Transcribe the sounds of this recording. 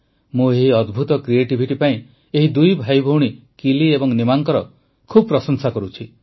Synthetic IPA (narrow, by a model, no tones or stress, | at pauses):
mũeɦiɔd̪bʱut̪ɔkɾieʈibʱiʈipaĩ | eɦid̪ujbʱajbʱowɽ̃i | kiliebɔŋnimaŋkɔɾɔ | kʰubɔpɾɔsɔŋsakɔɾut͡ʃʰi